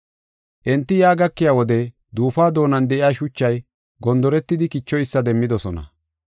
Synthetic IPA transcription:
ʔɛnt̪ːɪjaːɡɐkːɪjaːwɔd̪ɛ | d̪uːfaːd̪o̞ːnɐnd̪ɛʔɪjaːʃʊt͡ʃːɐj | ɡɔnd̪ɔɾɛt̪ːɪd̪ɪkɪt͡ʃːɔjɪsːɐd̪ɛmːɪd̪ɔsɔnɐ̰

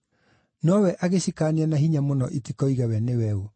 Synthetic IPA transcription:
nɔwɛʔaɣeɕikaːneanaɦiɲamonɔʔetikɔiɣawɛnewɛo

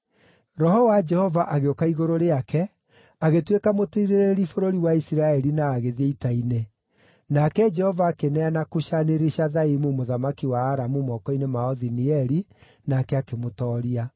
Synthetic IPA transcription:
ɾɔhɔwad͡ʒɛhɔvaʔaɣeokaiɣoɾoɾeakɛ | aɣetwekamotiiɾeɾeɾifoɾoɾiwaisiɾaɛɾinaːɣeðeitaine | nakɛd͡ʒɛhɔvaːkenɛanakuʃaneɾeʃaðaimumoðamakiwaːɾamumɔkɔinemaɔðiniɛɾi | nakɛakemotɔːɾia

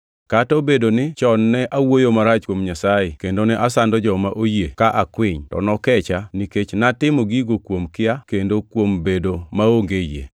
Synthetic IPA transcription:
katɔbedonɪt͡ʃɔnːɛʔawojomaɾat͡ʃkwomɲasajekendonɛʔasandɔd͡ʒɔmaʔojekaʔakwɪɲtɔ̰nɔkɛt͡ʃaniket͡ʃnatɪmoɡiɡokwomkɪakendokwombedomaoŋɡejḛ

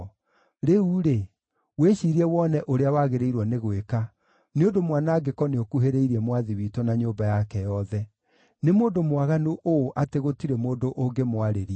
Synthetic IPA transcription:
ɾeuɾe | weɕiːɾiɛwɔnɛʔoɾeawaɣeɾeiɾwɔneɣweka | neondomwanaːɡekɔneokuɦeɾeiɾiɛmwaðiwitɔnaɲoːbajakɛjɔðɛ | nemoːndomwaɣanoʔoːʔateɣotiɾemoːndoʔoŋɡemwaɾeɾi

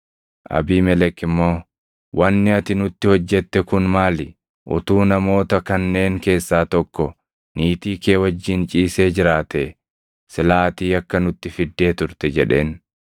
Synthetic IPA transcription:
ʔɐ̰biːmɛlɛkːɪmːo̞ː | wʔɐnːɪɐt̪ɪnʊt̪ːɪhɔd͡ʒːɛt̪ːɛkʊnmaːlɪ | ʔʊ̰t̪uːnɐmo̞ːt̪ɐkɐnːe̞ːŋke̞ːsːaːt̪ɔkːɔ | niːt̪iːke̞ːwɐd͡ʒːɪnt͡ʃʼiːse̞ːd͡ʒɪɾaːt̪e | sɪlaːt̪iːɐkːɐnʊt̪ːɪfɪd̪ːe̞ːt̪ʊɾt̪ɛd͡ʒɛᶑe̞̰ːn

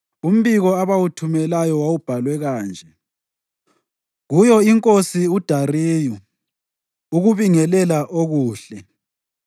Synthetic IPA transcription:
um̩βiɣɔaβawutʰumɛlajɔwawub̥ʱalwɛɣaːnd͡ʒʱɛ | ɣujɔiŋkʼosiud̥ʱariːju | uɣuβiŋɛlɛlaʔoɣuːɬɛ

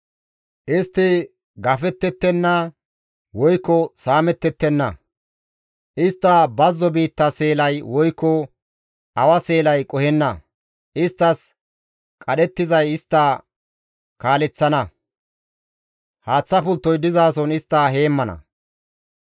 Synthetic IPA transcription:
ʔɪst̪ːɪ | ɡɐfɛt̪ːɛt̪ːɛnːɐ | wɔjkːɔsaːmɛt̪ːɛt̪ːɛnːɐ̰ | ʔɪst̪ːɐbɐzːɔbiːt̪ːɐse̞ːlɐjwɔjkːɔ | ʔɐwɐse̞ːlɐjkʼɔhɛnːɐ | ʔɪst̪ːɐs | kʼɐɗɛt̪ːɪzɐjɪst̪ːɐ | kaːlɛt͡sːɐnɐ | haːt͡sːɐpʊlt̪ːɔjd̪ɪzaːs̬ɔnɪst̪ːɐɦe̞ːmːɐnɐ̰

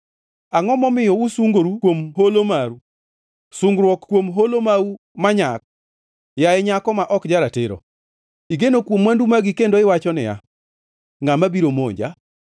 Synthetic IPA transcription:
aŋɔmɔmɪjɔusuŋɡɾukwomɦolomaɾu | suŋɡɾwɔkkːwomɦolomau | maɲak̚ | jaɛɲakɔmaʔɔkd͡ʒaɾatɪɾo̰ | iɡenokwomwandumaɡɪkendoɪwat͡ʃɔnɪ̰ja̰ | ŋamabiɾomo̰ɲd͡ʒa̰

